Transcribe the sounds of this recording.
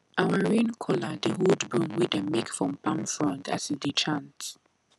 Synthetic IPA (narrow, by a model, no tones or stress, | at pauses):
awəɹẽnkʰɔlədəhɔdbũmwidəmikfɹɔ̃mpãmfɹɔ̃nda̰sidit͡ʃʰãnt